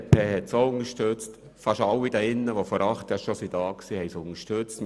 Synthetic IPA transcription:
pʰeːhɛtsoʊnəʃtøt͡st | fɑʃɑwːid̥ɑɪnːəʋofɔɾʔɑχt̪jɑʃosidɑːksiːhɛjsʊŋəʃtøt͡stm

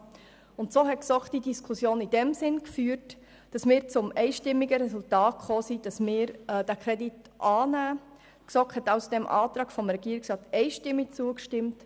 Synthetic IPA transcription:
ʊntsoːɦɛtksɔkd̥idiskʰusjoːnid̥ɛmsɪnkfyːɾt | d̥ɑsmɪːɾt͡sʊmɛɪʃtɪmːiɡəɾɛsʊltɑːtχoːsid̥ɑsmɪːɾɛd̥ækʰɾɛdit | ʔɑːnæː | ksɔkɛtɑʊsd̥ɛmʔɑ̰ːt̪ɾɑːɡ̥fɔmɾɛɡ̥iːɾɪksrɑːt̪ɛɪʃtɪmːik̚t͡suəkʃtɪmt

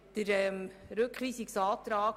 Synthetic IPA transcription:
d̪̥əɾɛmɾɵkχʋiːsiksɑːt̪ɾɑː

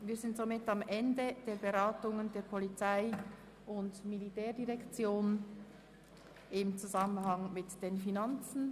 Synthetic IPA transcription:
viːɐzɪntz̥omɪtamʔɛndəd̥eːɐɾbeʁaːtʊŋəndeːɐpʰɔlit͡saɪ | ʔʊntmilitɛːɐdiʁɛkt͡sjoːn | ʔɪmt͡suzamənhɑŋmɪtd̥eːnfinant͡sn̩

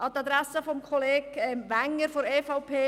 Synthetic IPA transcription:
ɑt̪ɑd̪ɾasəfɔmkʰɔleːɡɛmʋaŋːəɾfoɾeːfaʊpʰeː

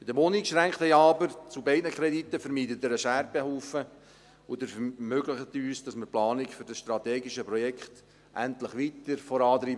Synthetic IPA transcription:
b̥ɪdəmonikʃɾæŋkχthɛɪɑːbəɾt͡subɛɪdnəkʰɾɛditːəfəɾmiːtətːəɾəʃæɾbehuːfə | ʊdəɾfmøɡlɪχət̪yːsd̥ɑsməplɑːnikfʏɾdɑsʃtɾɑteːɡiʃəpɾɔjɛkχt | ʔæ̰ntləχʋitəɾfɔɾɑːt̪ɾiːb

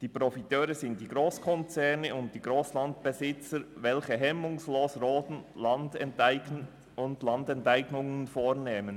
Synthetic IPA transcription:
d̥iːpɾɔfitøːɾəzɪnt̚d̥iːɡɾoːskʰɔnt͡sɛʁnəʊnt̚d̥iːɡʁoːslɑntb̥ɛzɪt͡səɾvɛlçəɦɛmʊŋsloːsroːtn̩lɑnd | ʊndlɑndɛntaɪɡnʊŋənfoːɾneːmən

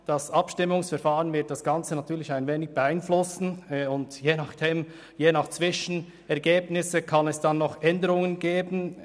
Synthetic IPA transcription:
d̥ɑsɑpʃtɪmːʊŋsfɛɾfaːʁənvɪɐt̚d̥asɡ̥ɑnt͡sənatʰyːlɪçaɪnveːnɪç̚b̥əaɪnflʊsn̩ʊndjeːnɑχd̥eːm | jeːnɑχt͡sv̥ɪʃn̩ | ɛʁɡeːbnɪsəkʰɑnɛsd̥anːɔχʔɛndəʁʊŋənɡeːbn̩

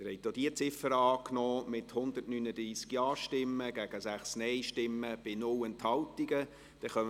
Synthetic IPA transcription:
ɪhɛɪtod̥iət͡sɪfəɾɑːknɔːmɪthʊnd̪ətnynəd̥̪ɾiːskjɑːʃtɪmːəɡ̥æɡ̥əsæχsnɛɪʃtɪmːəb̥ɪnʊlənthɑltiɡə | d̥ɛχœm

